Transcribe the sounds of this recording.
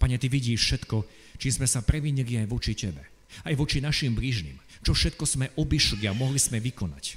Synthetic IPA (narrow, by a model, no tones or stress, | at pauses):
paɲɛt̪iʋiɟiːʃfʃɛt̪kɔ | t͡ʃismɛsapɾɛʋiɲiliajʋɔt͡ʃicɛbɛ | ajʋɔt͡ʃinaʃimbliːʒnḭːm | t͡ʃɔfʃɛt̪̚kɔz̥mɛʔɔbiʃliamɔɦliz̥mɛʋikɔna̰c